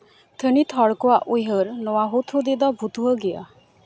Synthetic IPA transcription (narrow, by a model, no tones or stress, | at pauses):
t̪ʰənit̪ʰɔɽkɔaʔujɦəɾnɔwaɦot̪ʰud̪id̪ɔbʱut̪uɦəɡija̰